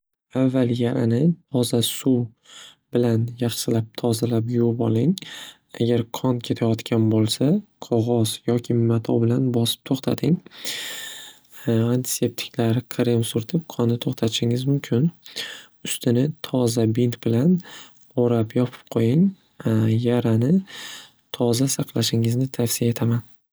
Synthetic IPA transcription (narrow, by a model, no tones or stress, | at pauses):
avːaljaɾʔanɪt̪ʰɒzasu | bɪlanjaχsɪlap̚t̪ʰɒzalapjobɒlˠɪŋ | a̰ɡʲaɾqʰɒnkʲʰe̞t̪ʰajɒt̪kʲʰanbolˠsaqʰɒʁɒzjɒkʲʰɪmat̪ʰɒbɪlanbɒsɪ̥p̚t̪ʰoχt̪ʰad̪ɪŋ | ant̪ʰɪ̥se̞p̚t̪ʰɪ̥kʲʰlaɾɪqʰɾɪmsʊɾt̪ʰɪp̚qʰɒnːɪt̪ʰoχt̪ʰat̪ʰɪʃɪŋɪzmʊmkʲʰɪn | ʊst̪ʰɪnɪt̪ʰɒzabint̪bɪlan | oɾapjɒpʰɪ̥p̚qʰojɪŋ | jaɾanɪ | t̪ʰɒzasaqʰlˠaʃɪŋɪznɪt̪ʰafsiae̞t̪ʰaman